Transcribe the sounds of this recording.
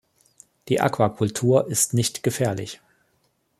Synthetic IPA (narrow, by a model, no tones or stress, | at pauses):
d̥iːʔa̰kv̥akʰʊltʰuːɐʔɪstnɪçtɡ̥əfɛːɐlɪ̰ç